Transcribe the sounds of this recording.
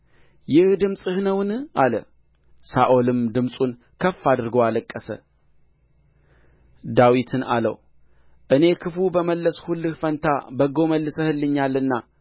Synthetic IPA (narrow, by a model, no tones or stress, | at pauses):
jɪhd̪ɨmsʼɨhnəwnalə̰ | saʔo̞lɨmd̪ɨmsʼun | kʰəfːad̪ɨɾɡoaləkʼːəsə̰ | d̪awit̪ʰɨna̰lə̰w | ʔɨne̞kʰɨfubəməlːəshulːɨhfənt̪ʰabəɡo̞məlːɨsəhɨlːɨɲːalːɨnːa